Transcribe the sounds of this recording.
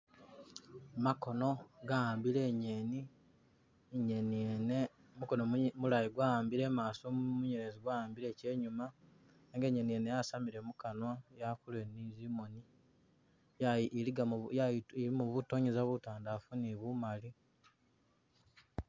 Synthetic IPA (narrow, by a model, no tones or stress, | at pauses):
makono̞ɡaaːmbile̞ɲeni | ɲenne | muko̞nomulajiɡwaaːmbiɾe̞maːsomumuɲeɾeziɡwajaːmbiɾe̞ːce̞ːɲuma | eŋɡe̞ɲenijenejasamiɾe̞mukanwajakulwenizimo̞ni | jliɡjaiɾimuβutoɲezaβutaːndafuniβumali